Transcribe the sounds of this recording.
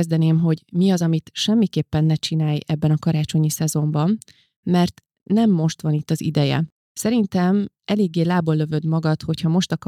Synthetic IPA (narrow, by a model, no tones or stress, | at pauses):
zd̪ɛneːmɦo̞ɟmiɒzɒmit̪ʃɛmːikeːpːɛnːɛt͡ʃinaːjɛbːɛnɒkɒɾaːt͡ʃo̞ɲisɛzo̞mbɒmː | ɛrt̪ | nɛmːo̞ʃt̪ʋɒnit̪ːɒzḭd̪ɛjɛ̰ | sɛɾint̪ɛm | ɛleːɡːeːlaːbolːø̞vø̞d̪mɒɡɒt̪ho̞chɒmo̞ʃt̪ɒk